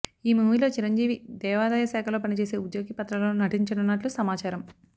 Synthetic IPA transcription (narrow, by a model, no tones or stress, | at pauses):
iːmuːʋilo̞ːt͡ʃiɾɐɲd͡ʒiːʋid̪ɛːʋaːd̪ɐjɐsaːkʰɐlo̞ːpɐnit͡ʃe̞ːse̞ːud̪joːɡipɐt̪ɾɐloːnɐʈiɲt͡ʃɐnɐnːɐʈlusɐmaːt͡ʃaːɾɐm